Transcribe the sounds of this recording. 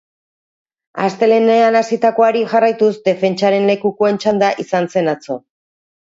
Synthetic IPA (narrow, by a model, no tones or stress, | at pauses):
a̰st̪e̞le̞neanasit̪ako̞aɾiʝarajt̪usd̪e̞fe̞nt͡ʃaɾe̞nle̞kukoe̞nt͡ʃand̪aʔisanse̞nat͡so̞̰